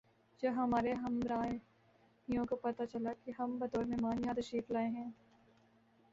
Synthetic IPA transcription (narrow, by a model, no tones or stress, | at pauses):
d͡ʒɐɦɐmaːɾeɦɐmɾaː | ijõkopɐt̪at͡ʃɐlakiɦɐmbɐt̪oːɾmẽmãːŋɡjãːd̪ɐʃiːflaːeɦɛ̃ː